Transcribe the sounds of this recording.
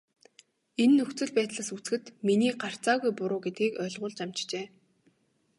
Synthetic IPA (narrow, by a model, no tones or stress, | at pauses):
enːɵxt͡sɵ̆ɮpæːt̪ɮaːsut͡sxɘ̆t̪miniːɢar̥t͡saːɣujpʊɾʊːɡet̪̚ɡiːkœːɮʁʊːɮt͡ɕam̥t͡ɕt͡ɕeː